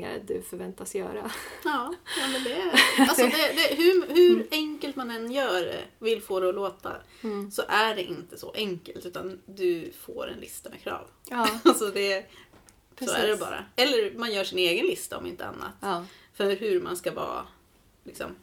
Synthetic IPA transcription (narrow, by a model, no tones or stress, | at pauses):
a̰ɾə̰d̪ɵfœɾvɛnt̪asjœ̰ːɾajɑːjɑːmɛnd̪ɛalsɔd̪ɛd̪ɛɦɵhɵɾɛŋkəlt̪manɛnːjœːɖɛ̰vɪlfoːd̪ɛɔloːt̪ʰa̰ | sɔʔæɖɛʔɪnt̪əsɔ̰ʔɛŋkəlt̪ʉ̟ːt̪and̪ɵfo̰ːɾɛ̰nlɪst̪amɛ̰kʰɾɑ̰ːv | alsɔd̪ɛ | soːæ̰ɖɛbɑ̰ːɾa̰ɛlːəɾmanjœːʂɪneːɡənlɪst̪aɔ̰mɪ̰nt̪əa̰nːa̰t̪fœɦɵɾmanskavɑ̰ː | lɪksɔ̰m